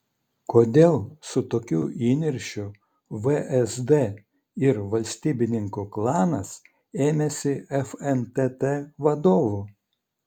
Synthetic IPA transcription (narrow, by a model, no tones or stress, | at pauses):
koːd̪ʲeːlˠsʊt̪oːkʲuːʔiːnʲɪɾʲʃʲʊ | ʋəʔɛsd̪e | ɪɾʋɐlʲsʲt̪ʲiːbʲɪnʲɪŋkuklˠɑːnɐs | eːmʲɛsʲɪɛfɛnt̪ɛt̪eʋɐd̪oːʋuː